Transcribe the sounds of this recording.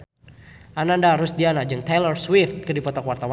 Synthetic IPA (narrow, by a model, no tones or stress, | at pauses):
ʔanandaɾusdianad͡ʒɨŋt̪elərswɪft̪̚kɨdipɔt̪akwart̪awa